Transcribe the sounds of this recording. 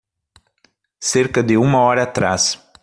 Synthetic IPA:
seɾkɐd̪ɪũmɐɔɾɐːt̪ɾa̰s

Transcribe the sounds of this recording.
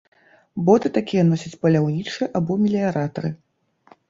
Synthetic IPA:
bɔt̪ɨt̪akʲijɛnɔsʲɐt͡sʲpɐlʲawnʲit͡ʂɨjɛʔabɔmʲilʲiaɾat̪ɐɾɨ

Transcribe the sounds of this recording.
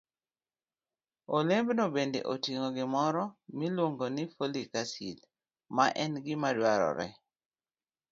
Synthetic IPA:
olembnobendḛʔotiŋoɡɪmɔɾɔmilwoŋɡonifolikasil | maʔɛnɡɪmadwaɾɔ̰ɾɛ̰

